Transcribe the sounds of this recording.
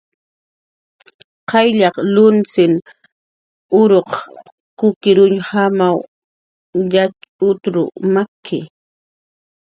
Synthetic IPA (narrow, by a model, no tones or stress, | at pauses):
qɑjʎɑqlʊnt͡sɪŋ | ʊɾoq | kʊkɪɾʊɲhamaw | ʎat͡ʃʊt̪ɾʊ̰makʰːɪ̰